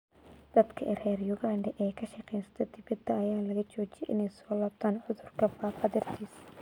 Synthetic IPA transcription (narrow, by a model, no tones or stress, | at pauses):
d̪̥ɐd̪kʰɐʔɛrɛːrjʊɣaːɳɖɐʔɛːkʰɐʃɐqʰɛːjnsɐ̥t̪ʰɐd̪ɪbɐd̪ːɐɐjaːlɐɣɐt͡ʃɔːt͡ʃɪjɛ̰ʔɪ̰nɛjsɔːlaːb̚t̪ʰaːnʕʊðʊrkʰɐfaːfɐðɛrt̪ʰiːs